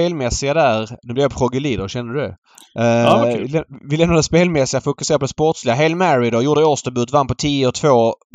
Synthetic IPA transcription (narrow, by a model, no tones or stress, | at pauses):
eːlmɛsːɪɡad̪æɾnɵblɪvjapʰɾɔɡəliːd̪əɾɕɛnd̪əd̪d̪ɛ̰ | vɪlɛmnad̪ɛspeːlmɛsɪɡafʊkɵseːɾapʰɔd̪ɛspɔʈslɪɡaɦɛlmæɾɪd̪ɔjuːɖəɔst̪əbʉːt̪vanpɔt̪ʰiːəɔt̪ʰvoː